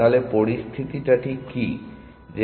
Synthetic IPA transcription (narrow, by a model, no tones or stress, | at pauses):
alepoɾist̪ʰit̪iʈaʈiki | d͡ʑe